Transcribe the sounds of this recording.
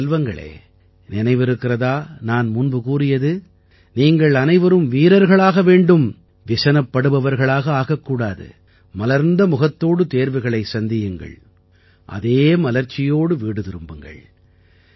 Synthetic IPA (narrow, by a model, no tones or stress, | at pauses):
lʋɐŋɡɐ̰ɭḛː | nɪnɐɪʋɪɾɯkːɪrɐðaːnaːnmʊnbɯkuːrɪjɐðɯ | niːŋɡɐɭɐnɐɪʋɐɾɯmʋiːɾɐɾɣɐɭaːɣɐʋeːɳɖɯm | ʋɪsɐnɐpːɐɽɯʋɐʋɐɾɣɐɭaːɣɐaːɣɐkːuːɽaːðɯ̰ | mɐlɐɾnd̪ɐmʊɣɐt̪ːoːɽɯt̪eːɾʋɐɪɣɐɭɐɪsɐnd̪ɪjɯŋɡɐ̰ɭ | ʔɐ̰ðeːmɐlɐɾt͡ʃːɪjoːɽɯʋiːɽɯðɪɾɯmbɯŋɡɐ̰ɭ